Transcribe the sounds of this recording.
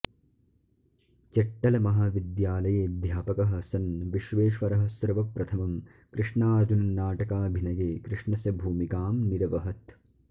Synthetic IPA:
t͡ʃɐʈːɐlɐmɐɦaʋid̪jaːlɐjeːd̪ʱjaːpɐkɐɦɐ̆sɐnʋiʃʋeːʃʋɐɾɐɦɐ̆sɾɐʋɐpɾɐt̪ʰɐmɐm | kɾɪʂɳaːɾd͡ʒunɐnaːʈɐkaːbʱinɐɡeːkɾɪʂɳɐsɐbʱuːmikaːmniɾɐʋɐɦɐt̪

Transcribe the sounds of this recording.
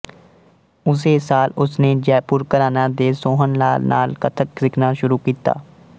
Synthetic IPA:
ʊs̬eːsaːlʊsneːd͡ʒɛːpʊɾkəɾaːnãːd̪eːsõːɦənla̰ːlna̰ːlkət̪ʰək̚zɪkʰnaʃʊɾuːkiːt̪a̰ː

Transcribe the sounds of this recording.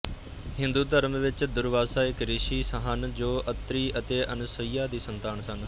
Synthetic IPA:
hɪ̃nd̪uːd̪əɾmʋɪt͡ʃd̪ʊɾʋaːsaːɪkɾɪʃiːsəɦənd͡ʒoːʔət̪ɾiːət̪eːʔənʊsəiːaːd̪iːsənt̪aːnsən

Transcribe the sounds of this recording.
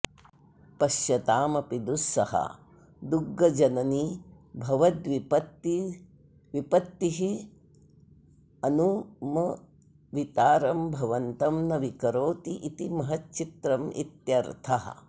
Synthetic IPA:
pɐʃjɐt̪aːmɐpid̪usːɐhɐ̰ | d̪uɡːɐd͡ʒɐnɐni | bʱɐʋɐd̪ʋipɐt̪i | ʋipɐt̪ːiɦi | ɐnumɐ | ʋit̪aːɾɐmbʱɐʋɐnt̪ɐmnɐʋikɐɾoːt̪iʔit̪imɐɦɐtt͡ʃit̪ɾɐmḭt̪jɐɾt̪ʰɐɦɐ̰̆

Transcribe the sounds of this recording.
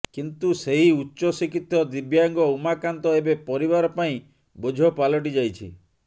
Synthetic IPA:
kint̪useɦiutːʃɔsikit̪ʰːjɔd̪ibjaŋɡɔumakant̪ɔebepɔɾiβaɾɔpaĩ | bod͡ʒʱɔpalɔʈ̬id͡ʒajt͡ʃʰḭ

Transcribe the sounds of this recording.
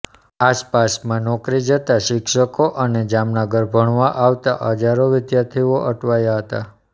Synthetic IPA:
aspasmãnɔkɾid͡ʒət̪aʃɪkʃəkoʔəned͡ʒamnaɡəɾbʱəɳ̃ʋaʔaʋt̪aʔəd͡ʒaɾoʋɪd̪jaɾt̪ʰiʋoʔəʈʋajaɦət̪a̰

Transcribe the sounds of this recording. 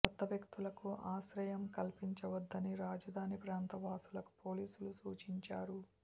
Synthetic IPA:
ɐt̪ːɐʋjɐkt̪ulɐkuʔaːʃɾɐjɐmkɐlpiɲt͡ʃɐʋɐd̪ːɐniɾaːd͡ʒɐd̪ʱaːnipɾaːnt̪ɐʋaːsulɐku̥poːliːsulusuːt͡ʃiɲt͡ʃaːɾu

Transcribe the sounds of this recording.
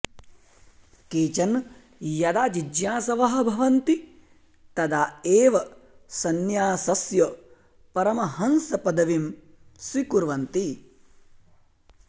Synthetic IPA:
keːt͡ʃɐn | jɐd̪aːd͡ʒid͡ʒjaːsɐʋɐɦɐ̆bʱɐʋɐnt̪i | t̪ɐd̪aːeːʋɐ | sɐnjaːsɐsjɐ | pɐɾɐmɐhɐnsɐpɐd̪ɐʋim | sɾikuɾʋɐnt̪i

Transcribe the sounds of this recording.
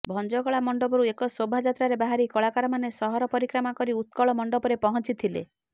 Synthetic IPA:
bʱɔnd͡ʒɔkɔɭamɔɳɖɔbɔɾuekɔsobʱad͡ʒat̪ɾaɾebaɦaɾikɔɭakaɾɔmanesɔɦɔɾɔpɔɾikɾɔmakɔɾiut̪̚kɔɭɔmɔɳɖɔpɔɾepɔɦɔnt͡ʃit̪ʰilḛ

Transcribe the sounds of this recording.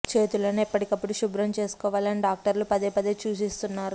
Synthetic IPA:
t͡ʃe̞ːt̪uloːnuipːɐʈikɐpːuɽuʃubɾɐmt͡ʃe̞ːsu̥kɔːʋaːlɐniɖaːk̚ʈɐɾlupɐd̪eːpɐd̪et͡ʃuːsist̪unːaːɾu

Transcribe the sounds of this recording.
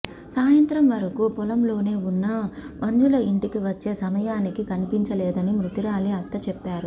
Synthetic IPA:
saːjɐnt̪ɾɐmʋɐɾɐkupɔlɐmlo̞ːne̞ːunːɐmɐnd͡ʒulɐiɳʈikiʋɐt͡ʃːe̞ːsɐmɐjaːnikikɐnipiɲt͡ʃɐlɛːd̪ɐnimɾut̪iɾaːliɐt̪ːɐt͡ʃɛpːaːɾu

